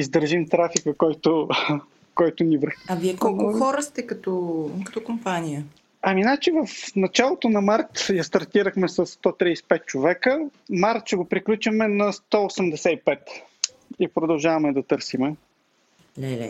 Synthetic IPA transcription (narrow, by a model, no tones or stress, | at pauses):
izd̪əɾʒimt̪ɾafikəkɔjt̪ʊ | kɔjt̪ʊnivɾəxɐviɛkɔlˠoxɔɾəst̪ɛkɐt̪ɔkɐ̥t̪ɔkompanijə | ɐminat͡ʃivɐfnɐt͡ʃalˠot̪onɐmaɾt̪jast̪ɐɾt̪iɾəxmɛsɐsːt̪ɔt̪ɾijsɛ̥pɛt̪̚t͡ʃovɛkə | maɾt̪t͡ʃɛɡopɾiklʲut͡ʃəmɛnɐst̪ɔosɛmd̪ɛsɛipɛt̪ | ipɾod̪ɐlˠʒavɐmɛd̪ɐt̪ɤɾsimɛ | lɛlɛ̰